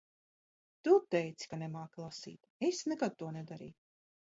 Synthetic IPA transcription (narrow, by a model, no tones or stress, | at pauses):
t̪ut̪ɛjt̪si̥kanɛmaːklˠasḭːt̪esnɛkad̪̚t̪uɔnɛd̪aɾḭː